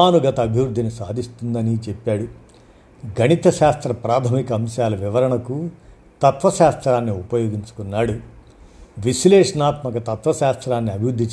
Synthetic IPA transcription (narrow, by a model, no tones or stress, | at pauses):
aːnuɡɐt̪ɐːbʱjɐʋɾud̪ʱːinusaːd̪ist̪und̪ɐnit͡ʃɛpːaːɽu | ɡʱɐnit̪ɐʃaːst̪ɾɐpɾaːt̪ʰɐmikɐːmʃaːlɐʋiʋɐɾɐɳɐku | t̪ɐt̪ʋɐʃaːst̪ɾaːnːiupɐjoːɡiɲt͡ʃu̥kunːaːɽu | ʋiʃleːʂɐnaːt̪mɐkɐt̪ɐt̪ʋɐʃaːst̪ɾaːnːiɐbʱiʋɾud̪ʱːit͡ʃː